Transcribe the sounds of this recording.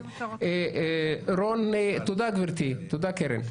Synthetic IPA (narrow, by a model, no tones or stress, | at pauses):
ɾonet̪ud̪akbeɾt̪it̪ud̪akeɾḛn